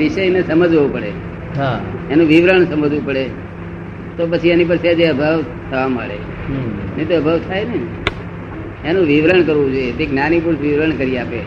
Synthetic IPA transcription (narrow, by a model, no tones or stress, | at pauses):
ʋɪʃəjnesəməd͡ʒɦoʋũpəɽe | ɦaenũʋiʋɾəɳsəməd͡ʒʋũpəɽe | t̪opət͡ʃʰienip̬əɾsad͡ʒeəbʱəʋ | t̪ʰəʋama̰ɭḛ | net̪oəbʱəʋt̪ʰajne | enũʋiʋɾəɳkəɾʋũd͡ʒojet̪eknanipuɾsʋiʋɾəɳkəɾijape